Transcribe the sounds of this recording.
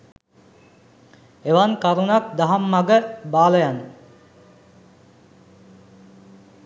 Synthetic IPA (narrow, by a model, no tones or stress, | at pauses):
eʋankaɾunak̚d̪aɦamːaɡəbaːləjanə